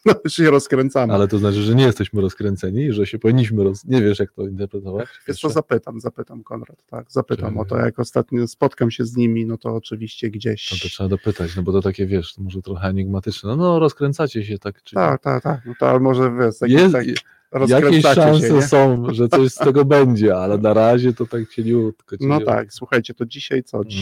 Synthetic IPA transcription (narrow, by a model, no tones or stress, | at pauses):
nɔɕɛɾɔskɾɛnt̪samalɛt̪ɔznat͡ʂɘʐɛɲɛjɛst̪ɛɕmɘɾɔskɾɛnt̪sɛɲiʐɛɕɛpɔvʲiɲːiɕ̬mɘɾɔsɲevʲjɛʂjak̚t̪ɔint̪ɛɾpɾɛt̪ɔvat͡ɕvjɛsɔzapɘt̪amzapɘt̪amkɔnɾat̪ːa̰ɡzapɘamɔt̪ɔ̰ja̰kɔst̪at̪ɲɔspɔt̪kamɕɛzɲimʲinɔt̪ɔːt͡ʂɘvʲiɕt͡ɕɛɡd͡ʑeɕɔt̪ɔtʂɛbad̪ɔpɘt̪at͡ɕnɔbɔt̪ɔt̪akʲɛvʲjɛʂt̪ɔmɔʐɛt̪ɾɔxɛaɲiɡmat̪ɘt͡ʂnɛnnɔɾɔskɾɛnt̪sat͡ɕɛɕ̬ɛt̪akt͡ʂɨt̪a̰kt̪a̰kt̪aknɔt̪ɔ̰a̰mɔʐɛvʲjɛʂj̪akkeɛsa | ɾɔsjakɾɛnʲɛɕsaʂaɛ̃sɛɛsɔ̃w̃ʐɛt̪sɔɕsɛɡɔbɛɲd͡ʑɛalɛnaɾaʑɛt̪ɔt̪akt͡ɕelʲut̪kɔnɔt̪a̰kswuxajt͡ɕɛt̪ɔd͡ʑiɕajt̪sɔt͡ɕ